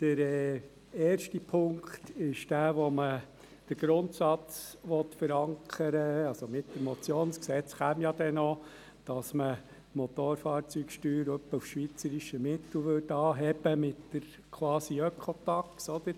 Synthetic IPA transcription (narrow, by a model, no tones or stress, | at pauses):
d̥əɾɛ | ɛːɾʃtipʰʊŋkt̪ɪʃd̥æːʋɔmə | d̥əɾɡ̥ɾʊnt̪sɑt͡sʋɔt̪fəɾɑŋkʰəɾəɑlsomɪtdəmɔt͡sjoːnsksɛt͡sχæːmjɑd̥̪ɛnɔ | d̥ɑsmə | mɔt̪oːɾfɑːɾt͡syːkʃtyːɾœpːəufʃʋit͡səɾiʃəmɪt̪l̩ʋʏdɑːɦɛb̥əmɪtdəɾ | kʰwɑːsiœkʰɔtɑksɔd̪ə